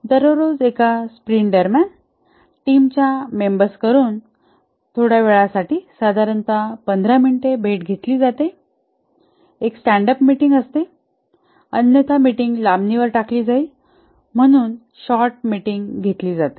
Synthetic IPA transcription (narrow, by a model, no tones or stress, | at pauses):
d̪əɾoɾod͡zekaspɾiɳɖəɾmjan | ʈimt͡ɕjamembəɾskəɾuːn | t̪ʰoɽjaʋeɭasaʈiːsəd̪ʱaɾənt̪apənd̪ʱɾaminiʈebʱeʈɡʱet̪liːd͡zat̪e | eksʈæɳɖəpmiʈiŋɡəst̪e | ənjət̪ʰamiʈiŋɡlabniʋəɾʈakliːd͡zai | m̤əɽ̃uːn | ɕɔɾʈ̚miʈiŋɡɡʱet̪liːd͡zat̪e̥